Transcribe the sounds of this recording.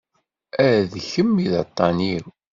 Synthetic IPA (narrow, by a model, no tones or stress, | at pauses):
æðçəmːiðɑt̪ˤːɑniɾ